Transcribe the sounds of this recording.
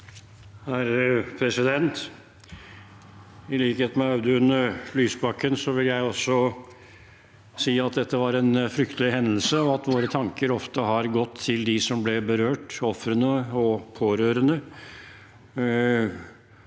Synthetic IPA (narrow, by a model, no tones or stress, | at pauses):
hæɾəpʰɾɛsɪd̪ɛnt̪ | ɪliːkəeːt̪mɛɑʉd̪əʉnəɾlyːsbɑkːənsɔʋɪljæɪɔsːɔ | siːɑt̪̚d̪ɛt̪ːəʋɑɾɛnfɾʏkt̪əlɪɦɛnd̪əl̩səɔʋɑt̪ʋoːɾət̪ʰɑŋkəɾɔft̪əɦɑɾɡɔt̪ʰːɪld̪ɪsɔmblɛbəɾøːʈɔfɾənəɔpʰoːɾøːɾənə